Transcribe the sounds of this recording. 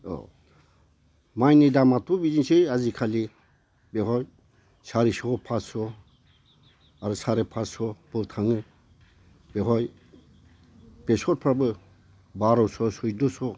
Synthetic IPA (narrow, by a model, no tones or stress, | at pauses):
ɔ̰ | majnidamat̪ʰubid͡ʒinsʰeazikʰali | beɦɔj | sʰaɾisɔɡɔpʰasɔ | aɾɯsʰaɾepʰasɔbɯt̪ʰaŋɯ | beɦɔj | b̥esɔt̚pʰɾabɯ | baɾɔwsɔsɔjdosɔ